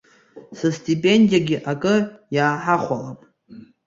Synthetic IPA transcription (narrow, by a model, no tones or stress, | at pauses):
sastʰʼipʼe̞ndijaɡʲiʔakʼɨjaːħaχʷalamʼ